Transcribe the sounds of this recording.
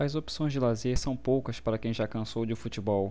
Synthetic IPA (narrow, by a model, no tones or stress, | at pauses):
ɐzopsõj̃zd͡ʒɪlazeɾsɐ̃w̃powkɐspaɾɐkẽj̃ʒakɐ̃sowd͡ʒɪfut͡ʃibɔw